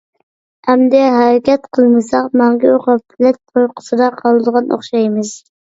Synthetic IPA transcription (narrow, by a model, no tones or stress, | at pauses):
hæmd̪ɛɦæɾɛkʲɛt̪qʰəlˠmɨsɑqmɑŋɡʲɪoqɑpʰːlɪt̪̚oɾqʰə̥sɨd̪ɑqʰɑlˠɨd̪əʁɑno̰χʃɑjmɨz